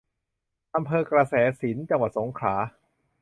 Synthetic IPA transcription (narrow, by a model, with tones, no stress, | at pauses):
ʔa˧mpʰɤː˧kɾa˧sɛː˩˦si˩˦nt͡ɕa˧ŋwa˨˩t̪̚so˩˦ŋkʰlaː˩˦